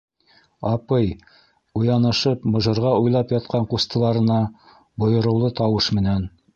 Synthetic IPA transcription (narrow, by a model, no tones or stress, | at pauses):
ɑpɤj | ujɑnɤ̆ʃɤpmŏʒɤ̆ɾʁɑujlˠɑpjɑt̪̚qɑɴqust̪ɤ̆lˠɑɾɤ̆nɑ | bŏjɤ̆ɾɤ̆wlˠɤt̪ɑwɤʃmɘ̆næn